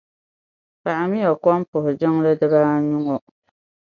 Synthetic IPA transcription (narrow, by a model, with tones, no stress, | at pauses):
pa˨ʔa˨mi˦ɔ˨kɔ˦n˦pʊ˨hʊ˨d͡ʒɪ˦ŋ˦lɨ˦dɨ˦baː˦ɲu˦ŋɔ˦